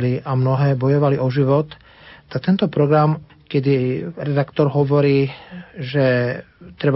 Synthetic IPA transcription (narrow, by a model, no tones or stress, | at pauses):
liʔamnɔɦɛːbɔjɔʋaliʔɔʒiʋɔt̪ | t̪ːak̚t̪ɛnt̪ɔpɾɔɡɾam | kɛd̪iɾɛd̪akt̪ɔɾɦɔʋɔɾiːʒɛ | t̪ɾɛb